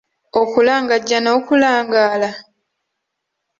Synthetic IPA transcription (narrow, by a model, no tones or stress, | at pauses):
okulaːŋɡaɟːano̞ːkulaːŋɡaːla